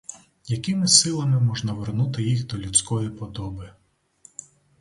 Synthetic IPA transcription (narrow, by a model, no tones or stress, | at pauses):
jɐkɪmɪsɪlˠɐmɪmɔʒnɐʋernut̪ɪjixd̪ɔlʲut͡sʲkɔjipɔd̪ɔbɪ